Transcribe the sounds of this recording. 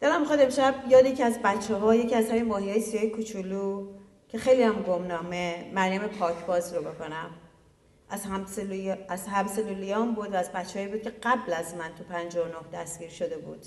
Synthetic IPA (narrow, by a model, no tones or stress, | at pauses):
d̪elæmːixɒːd̪e̞mʃæbjɒːd̪jecʰiæzbæt͡ʃʰːeɦɒːje̞ciæzhæminmɒːɦijɒːjesijɒjekʰut͡ʃʰulu | cʲʰe̞xe̞jlijæmɡo̞mnɒːme̞mæɾjæme̞pʰɒːcʰb̥ɒːzɾobe̞ko̞næm | æz | æzhæmselulijɒːmbud̪væːzbætt͡ʃːeɦɒːibuːd̪̚cʰe̞ɢæblæzmænt̪ʰupʰænd͡ʒɒonohd̪æsɡ̥iːɾʃod̪e̞bṵːd̪̥